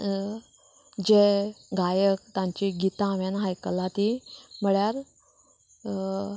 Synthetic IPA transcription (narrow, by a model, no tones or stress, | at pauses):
d͡ʑeɡajək̚t̪ãɲt͡ɕiɡit̪ãʋjanɦajkəlat̪im̤əɭjaɾ